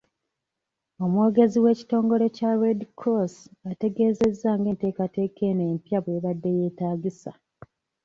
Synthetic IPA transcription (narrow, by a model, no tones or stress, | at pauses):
o̞mwo̞ːɡe̞ziwe̞ːci̥to̞ːŋɡo̞ɾe̞caredikʰosate̞ɡe̞ːze̞zːaːŋɡe̞ːnte̞ːkate̞ːkʰe̞ːneːmpjaβwe̞ːβadːe̞je̞ːtaːɟisa̰